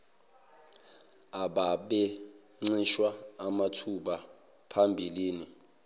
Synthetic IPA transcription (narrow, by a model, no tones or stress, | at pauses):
aɓaɓɛ | ŋ͡ǀiʃwaːmatʰuɓa | pʰambʱiliːni